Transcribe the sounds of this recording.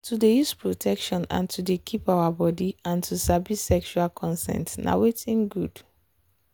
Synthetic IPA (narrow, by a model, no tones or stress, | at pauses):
tʰudejuspɹotʰɛkʃɔ̃nã̰ntudekʰipawabɔdiãntʰusabisɛkʃualkʰɔ̃nsɛ̰̃ntna̰wetĩŋɡud